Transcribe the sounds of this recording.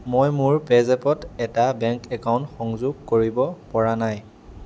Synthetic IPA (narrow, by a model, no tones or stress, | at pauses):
mojmʊɹpɛzɛpɔtɛtabɛŋkɛkawntxɔŋzʊɡ̚koɹibɔpɔɹanaj